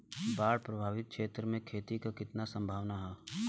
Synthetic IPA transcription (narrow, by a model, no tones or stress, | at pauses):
baːɽpɾɐbʱaːʋɪt̪̚kʃeːt̪ɾəmẽkʰeːt̪ikakɪt̪nasə̃mbʱaːʋnaɦɛː